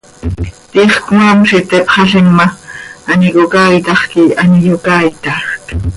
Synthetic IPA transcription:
t̪iχkŋɑmʃit̪epχɑɬinmɑːnikokaːjt̪ɑχkiɑnijokaːjt̪ɑxk

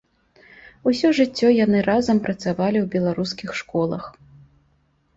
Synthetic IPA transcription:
usʲɔʐɨt͡sʲːɔjan̪ɨɾazɐmpɾɐt̪savalʲiwbʲɛlˠaɾuskʲixʂkɔlˠɐ̰x

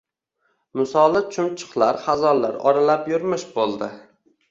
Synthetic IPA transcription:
mʊsɒlˠɪt͡ʃʰʊmt͡ʃʰɨ̥χlˠaɾχazɒlːa̰ɾɒ̰ɾalapjʊɾmɪʃbolˠd̪ɪ

